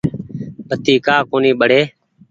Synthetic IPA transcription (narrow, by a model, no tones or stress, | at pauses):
bʱət̪iːkaːkoːniːɓəɽ̤eː